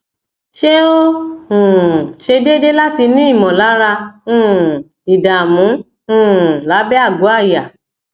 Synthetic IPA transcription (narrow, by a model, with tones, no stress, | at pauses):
ʃe˦o˦ũ˨ʃe˧de˦de˦la˦ti˧nĩ˦i˦˨mɔ̃˨la˨˦ɾa˧ũ˦˨ | i˨da˨mũ˨˦˨ | la˨˦bɛ˦a˦˨ɡo˨˦a˦˨ja˨